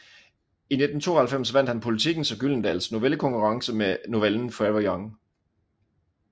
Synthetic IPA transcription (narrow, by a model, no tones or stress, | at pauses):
ine̝d̥n̩t͡sʰo̝ːɐhælfem̰sʋæn̰d̥hænpʰo̝lit͡sʰiɡ̥n̩sɒ̽ɡ̥ylən̩d̥æ̰lsno̝ʋeləkʰɒ̽ŋkʰuʁɑ̈ŋsəmeno̝ʋeln̩fɒeʋɒjɒŋ